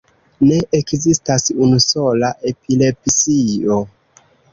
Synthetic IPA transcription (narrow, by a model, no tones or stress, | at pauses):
ne̞ʔekzistasunuso̞laʔe̞pile̞psio̞